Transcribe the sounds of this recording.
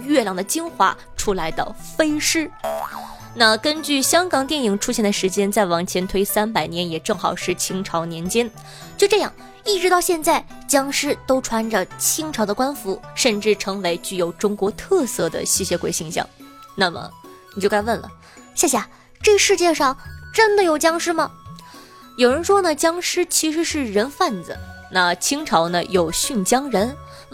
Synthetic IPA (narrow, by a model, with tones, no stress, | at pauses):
ɥɛ˥˩ljɑ˨˩ŋd̪ə˩t͡ɕi˥ŋxwa̰˧˥ | ʈ͡ʂʰu˥la˧˥ɪd̪ə̰˧ | fe˥ɪʂɻ̩˥ | na˥˩kə˥nt͡ɕy˥˩ɕjɑ˥ŋkɑ˨˩ŋt̪jɛ˥˩ni˨˩ŋʈ͡ʂʰu˥ɕjɛ˥˩nd̪ə˩ʂɻ̩˧˥t͡ɕjɛ˥nt͡sa˥˩ɪwɑ˨˩ŋt͡ɕʰjɛ˧˥nt̪ʰwe˥ɪsa˥npa˨˩ɪnjɛ˧˥njɛ˨˩ʈ͡ʂɤ˥˩ŋxɑ̰˨˩ʊʂɻ̩˥˩t͡ɕʰi˧˥ŋʈ͡ʂʰɑ˧˥ʊnjɛ˧˥nt͡ɕjɛ˥n | t͡ɕjo˥˧ʊʈ͡ʂɤ˥˧jɑ̰˥˩ŋ | i˥˩ʈ͡ʂɻ̩˧˥t̪ɑ˥˧ʊɕjɛ˥˧nt͡sa˥˩ɪ | t͡ɕjɑ˥ŋʂɻ̩˥˩t̪o˥ʊʈ͡ʂʰwa˧˥nʈ͡ʂə˨t͡ɕʰi˥ŋʈ͡ʂʰɑ˧˥ʊd̪ə˧kwa˥nfu˧˥ʂə˥˧nʈ͡ʂɻ̩˥˩ʈ͡ʂʰɤ˧˥ŋwe˧˥ɪt͡ɕy˥˩jo˨˩ʊʈ͡ʂʊ˥ŋkwɔ˧˥t̪ʰɤ˥˧sɤ˥˩d̪ə̰˩ɕi˥˩ɕjɛ˧˥kwe˨˩ɪɕi˧˥ŋɕjɑ̰˥˩ŋna˥˩mə̰˩ni˨˩t͡ɕo˥˧kwə˥˩nlə̰˩ | ɕja˥˩ɕja˥˩ | ʈ͡ʂɤ˥˧ʂɻ̩˥˧t͡ɕjɛ˥˧ʂɑ˥˩ŋʈ͡ʂə˥nd̪ə˨jo˨˩ʊt͡ɕjɑ˥ŋʂɻ̩˥mə˨ | jo˨˩ʊɻə˧˥nʂwɔ˥nə˨t͡ɕjɑ˥ŋʂɻ̩˥t͡ɕʰi˧˥ʂ̬ɻ̩˧˥ʂɻ̩˥˩ɻə˧˥nfa˥˩nd͡z̩̰˩na˥˩t͡ɕʰi˥ŋʈ͡ʂʰɑ˧˥ʊnə˧jo˨˩ʊɕy˥˩nt͡ɕjɑ˥ŋɻə˧˥n